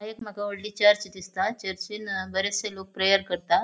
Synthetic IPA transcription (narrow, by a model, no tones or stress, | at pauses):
aɦekm̤aɡaʋoɽlit͡ɕaɾt͡ɕd̪ist̪at͡ɕəɾt͡ɕinbəɾeselok̚pɾejəɾkəɾt̪a